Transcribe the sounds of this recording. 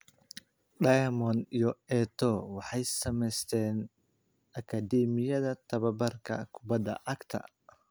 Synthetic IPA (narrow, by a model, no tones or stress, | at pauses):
ɖɐjɐmɔnijɔɛt̪ʰɔwɑħɑjsɐmɛst̪ʰɛːn | ʔɐkʰɐd̪ɛːmɪjɐðɐt̪ʰɐβɐbɐrkʰɐ̰kʰʊbɐd̪ɐ̰ʔɐɡt̪ʰɐ̰